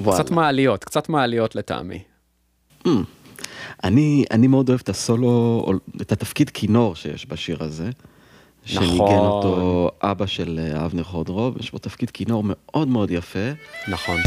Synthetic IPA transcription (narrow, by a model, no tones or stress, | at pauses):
vt͡saatmaːlijo̞t̪kt͡satmaːlijo̞t̪leta̰a̰mḭ | m̩ | ʔania̰nimeo̞d̪o̞evet̪aso̞loo̰et̪at̪afkidkʰino̞ʁʃejḛʃbaʃiʁaze̞ | ʃneniɡenot̪o̞ʔabaʃelea̰vniʁχod̪ʁo̞vjeʃbo̞t̪afkid̥kino̞ʁme̞ʔo̞dmeo̞djafe̞naχon